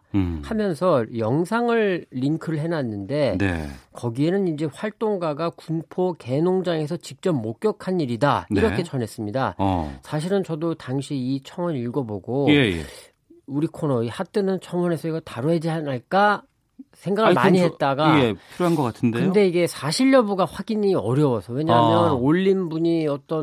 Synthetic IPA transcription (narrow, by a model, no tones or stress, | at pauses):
hamjʌnsʰʌjʌŋsʰaŋɯɭːiŋkʰɯɾɯɭɦe̞nanːɯnde̞nḛkʌɡie̞nɯnind͡ʑe̞ɸwaɭt͈oŋɡaɡakunpʰoke̞noŋd͡ʑaŋe̞sʰʌt͡ɕik̚t͡ɕ͈ʌp̚mok̚k͈jʌkʰaniɾidaiɾʌkkʰe̞t͡ɕʌne̞s͈ɯmɲida̰sʰaɕ̬ʰiɾɯnt͡ɕʌdotaŋɕʰiit͡ɕʰʌŋʌniɭɡʌboɡojejḛ | uɾikʰonʌihat͈ɯnɯnt͡ɕʰʌŋʌne̞sʰʌiɡʌtaɾoɦe̞d͡ʑianaɭk͈a | sʰe̞ŋɡaɡɯɭmaɲiɦet̚t͈aɡaepʰiɾoɦanɡʌk͈atʰɯndekɯnde̞iɡe̞sʰaɕʰiɭjʌbuɡaɸwaɡiɲiʌɾjʌwʌsʰʌwe̞ɲajʌnoʎːinbuɲiʌt͈ʌn